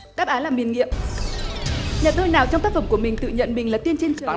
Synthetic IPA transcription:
ɗaː˦˥p̚ʔaː˨˦nlaː˨˩mi˨˩nŋḭ˧˨əm | ɲa˨˩t̪ə˧jnaː˨˩wt͡ɕɔ˧wŋ͡mt̪a˦˥k̚fə˧˩mku˧˩əmï˨˩ŋ̟t̪ɨ̰˧˨ɲə̰˧˨nmi˨˩ŋ̟laː˨˩t̪i˧ənt͡ɕe˧n˨˦

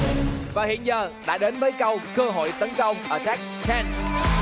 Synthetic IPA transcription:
vaː˨˩hḭ˧˨ənzəː˨˩ɗa̰ː˧˥ɗe˨˦nvəː˨˦jkə˧wkə˧ɦo̰˧˨jt̪ə˨˦nkə˧wŋ͡mʔəː˧˩t͡ɕaː˦˥k̚t͡ɕɛː˧n

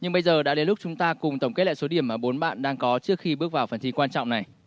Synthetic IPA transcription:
ɲɨ˧ŋɓə˧jzəː˨˩ɗa̰ː˧˥ɗe˨˦lʊ˦˥k͡p̚t͡ɕʊ˨˦ŋ͡mt̪aː˧kʊ˨˩ŋ͡mt̪ə˧˩ŋ͡mke˦˥t̚lɛ̰ː˧˨so˨˦ɗi˧˩əmʔaː˧˨˩ɓo˨˦nɓa̰ː˧˨nɗaː˧ŋkɔ˨˦t͡ɕɨ˦˥ək̚xi˧ɓɨ˦˥ək̚vaː˨˩wfə˨˩nt̪i˧kwaː˧nt͡ɕɔ̰˧˨ŋ͡mna˨˩j

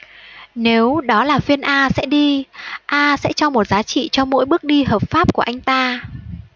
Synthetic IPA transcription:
ne˨˦wɗɔ˨˦laː˨˩fi˧ənʔaː˧sɛ̰˧˥ɗi˧ʔaː˧sɛ̰˧˥t͡ɕɔ˧mo˨˩t̚zaː˨˦t͡ɕḭ˧˨t͡ɕɔ˧mo̰˧˥jɓɨ˦˥ək̚ɗi˧ɦəː˨˩p̚faː˦˥p̚ku˧˩əʔa˧jŋ̟t̪aː˧

